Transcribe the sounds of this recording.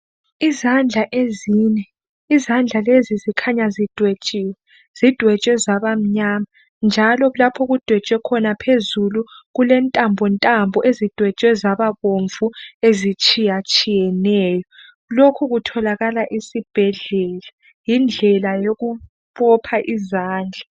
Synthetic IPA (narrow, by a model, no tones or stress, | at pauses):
izand͡ɮʱaʔeziɲɛ | izand͡ɮʱalezizikʰaɲazid̥ʱwɛt͡ʃʼiːwɛ | z̥id̥ʱwɛt͡ʃʼwɛzaβam̩ɲaːma | nd͡ʒʱalɔlapʰɔɣud̥ʱwɛt͡ʃʼwɛkʰɔnapʰezuluɣulɛntʼambʱɔntʼambʱɔʔezid̥ʱwɛt͡ʃʼwɛzaβaβoɱvuezit͡ʃʼijat͡ʃʼijɛnɛːjɔ | lokʰuɣutʰɔlaɣalaʔisib̥ʱɛɮɛla | jind͡ɮʱɛlajoɣu | βɔpʰaʔizaːnd͡ɮʱa